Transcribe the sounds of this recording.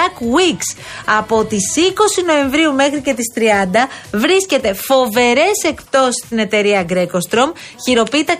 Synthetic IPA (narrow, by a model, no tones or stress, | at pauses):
ɐkwiks | ɐpo̞t̪isiko̞sino̞e̞ɱvɾiume̞xɾice̞t̪ist̪ɾiɐnd̪ɐvɾisce̞t̪e̞fo̞ve̞ɾe̞se̞kp̚t̪o̞si̥st̪ine̞t̪e̞ɾiɐɡɾe̞ko̞st̪ɾo̞mçiɾo̞pit̪ɐ